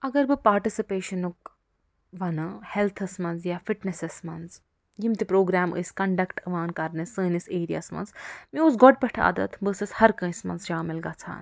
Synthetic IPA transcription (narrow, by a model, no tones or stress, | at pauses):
ɐɡɐɾbɨpaːɾʈisipeːʃɐnuk̚ | ʋɐnɨhelt̪ʰɐsmɐnzjafiʈnesesmɐnz | jimt̪ipɾoːɡɾaːmɨ̰sʲkɐɳɖɐkʈɐʋaːnkɐɾnɐsɨːniseːɾija̰ːsmɐ̰nzmiusɡɔʈ̚pɐʈʰa̰ːd̪ɐ̰t̪ʰbɨsɐshɐɾkɐ̃ːsmɐ̰nzʃaːmilɡaːt͡sʰa̰ːn